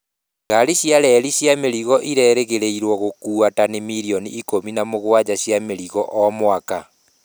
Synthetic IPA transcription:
ɡaɾiɕjaɾɛɾiɕjameɾiɣɔʔiɾɛːɾeɣeɾeiɾwɔɣokuːatanemiɾiɔniːkominamoɣoad͡ʑaɕjameɾiɣɔʔɔmwaka

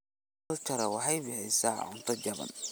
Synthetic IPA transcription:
ɐlt͡ʃɐɾɐwɑħɑjbɪhɛjsaːʕʊnt̪ʰɐd͡ʒɐβɐ̰n

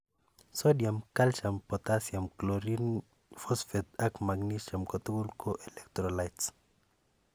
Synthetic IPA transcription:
sodjamkalʃampot̪asjamkloɾin | fosfet̪̚akmaɡnisʃamkot̪ukulkoʔelekt̪ɾolajt̪s

